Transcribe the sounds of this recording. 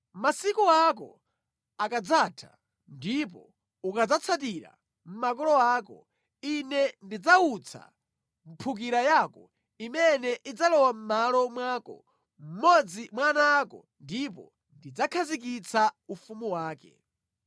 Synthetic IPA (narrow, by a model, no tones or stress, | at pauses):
masikuakɔ̰ | akad͡zatʰḁ̰ | ndipɔ | ukad͡zat͡sʰat̬iɾa̰ | m̩makɔlɔaːkɔ̰ | inɛndid͡zaut͡sʰa̰ | m̩pʰuk̬iɾajaːkɔ | imɛnɛʔid͡zalɔwam̩malɔmwaːkɔ̰ | m̩mɔd͡zimwanaːkɔ̰ | ndip̬ɔ̰ | ndid͡zakʰazikit͡sʰaufumuwaːkɛ̰